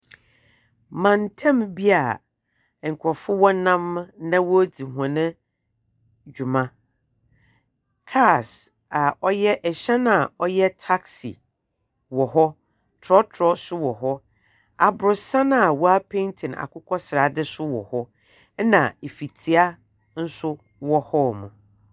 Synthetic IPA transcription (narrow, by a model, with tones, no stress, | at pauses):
mã˨n˨tʰɛ̃˦mbi˦a˨ | ŋ̩˨kʰɔ˨fʊ˦wɔ˦nã˦m˦nã˦wɔ˦di˨ɦã˨nɪ̃˦ | d͡ʑᶣu˨mã˦ | kʰa˦˨s | a˨ɔ˦jɛ˦ʔɛ˨ɕɛ˦nã˦˨ɔ˦jɛ˦tʰa˦ksḭ˨ | wɔ˨ɦɔ˦ | tʰɾɔ˦tʰɾɔ˦sʊ˦wɔ˨ɦɔ˦ | a˨bʊ˨ɾʊ˨sã˦n˦a˨wɔ˦a˦pʰẽ˦ntʰɪ̃˨na̰˨kʰʊ˦kʰɔ˦sɪ˨ɾa˨dɪ˦sʊ˦wɔ˨hɔ˦ | nã˨e˨fi˨tʰi˨a˦ | n̩˦sʊ˦ | wɔ˦hɔ˦mṵ̃˨